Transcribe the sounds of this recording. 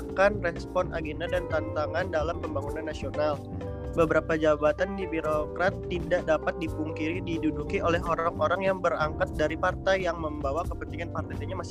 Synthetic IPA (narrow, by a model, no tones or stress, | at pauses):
kanrɛspɔnʔa̰ɡenadant̪ant̪aŋandalampəmbaŋunanːasional | bəbəɾapad͡ʒabat̪andibiɾokɾat̪ːidaʔdapat̪̚dipuŋkiɾididudukiʔolɛɦoɾaŋʔoɾaŋjaŋbəɾaŋkat̪̚daɾipart̪ajːaŋməmbawakəpənt̪iŋanpart̪aaɲamas